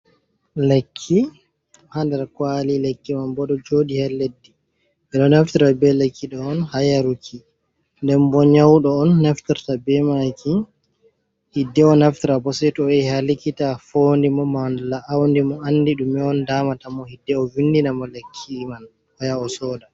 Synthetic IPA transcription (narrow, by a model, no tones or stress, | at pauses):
lekʰːi | handɛɾkwalilekːimanbɔɗɔd͡ʒoːdihɛlːedːi | ɛɗɔnaftiɾabɛlekʰːiɗɔɔnhajaɾukʰːi | ndɛmbɔɲawɗɔːnːɛftiɾtabɛmakʰi | hidːɛɔnaftiɾabɔsɛtɔɛhalikitafoːndimɔmanlaʔːwndimɔanːdiɗumɛɔndaːmatamɔhidːɛɔvinːdinamɔlekʰːiːman | wajaɔsɔːda